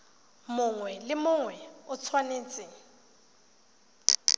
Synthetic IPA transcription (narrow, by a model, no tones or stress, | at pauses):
mʊŋwɛlɪmʊŋwɛʊt͡sʰwaneːt͡sʼɪ